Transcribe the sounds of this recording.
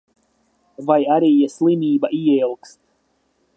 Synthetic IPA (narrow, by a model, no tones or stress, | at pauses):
vajaɾiːjaslˠimʲiːbaʔiilˠkst̪̚